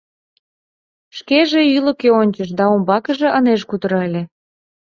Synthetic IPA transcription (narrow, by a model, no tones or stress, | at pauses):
ʃkeʒeyləkeonʲt͡ɕəʃ̬d̪ɑombɑkəʒĕʔəneʃkut̪əɾɑelʲe